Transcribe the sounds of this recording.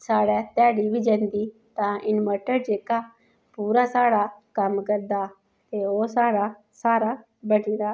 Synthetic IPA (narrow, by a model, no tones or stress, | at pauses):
saːɽɛːt̪aːɽibʱiːd͡ʒɛ̃ːnd̪iːt̪ãːʔɪnməʈəɾd͡ʒeːkaː | puːɾaːsaːɽaːkəmkəɾd̪aː | t̪eːoːsaːɽaː | saːɾaː | bəɽĩːd̪aː